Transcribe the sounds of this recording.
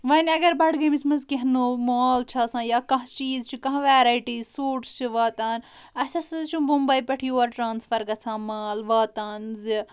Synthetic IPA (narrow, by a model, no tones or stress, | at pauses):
ʋɐnʲɐɡɐɾbɐʈɡɐmismɐzkeɦnoːmoaːlt͡ʃʰaːsãːjaːkɐ̃ɦt͡ʃiːzt͡ʃʰikɐ̃ɦʋaːɾaːiʈiːzsoːɾʈst͡ʃʰiʋaːt̪aːnɐsɐsɨzt͡ʃʰũmumbɐipɐʈʰioːɐɾʈɾãːnsfʰɐɾɡɐsʰãːmaːlʋaːt̪aːnzi